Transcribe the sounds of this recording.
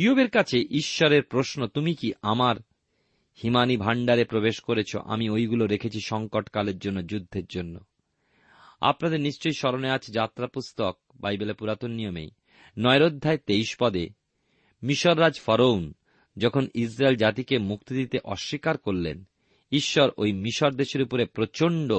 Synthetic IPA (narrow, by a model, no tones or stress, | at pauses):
iobeɾkat͡ɕʰeʔiʃːɔɾeɾpɾosnot̪umikiʔamaɾ | himanibʱaɳɖaɾepɾobeʃkoɾet͡ɕʰo̰ʔa̰miojɡuloɾekʰet͡ɕʰiʃɔŋkoʈkaleɾd͡ʑonːod͡ʑud̪ʱːeɾd͡ʑonːo̰ | a̰pnad̪eɾniʃt͡ɕojʃɔɾoneat͡ɕʰed͡ʑat̪ːɾapust̪ok̚bajbelepuɾat̪onːijomḛj | nɔeɾod̪ʱːaet̪eiʃpɔd̪e | miʃoɾːad͡ʑfɔɾoun | d͡ʑɔkʰonis̬ɾaeld͡ʑat̪ikemuk̚t̪id̪it̪eʔɔʃːikaɾkoɾlḛn | iʃːɔɾʔojmiʃoɾd̪eʃeɾupoɾepɾot͡ɕoɳɖo